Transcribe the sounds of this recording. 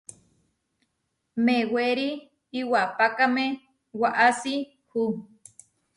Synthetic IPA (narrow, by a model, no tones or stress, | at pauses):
meweɾiː | wapakamẽ | waʔasi | hu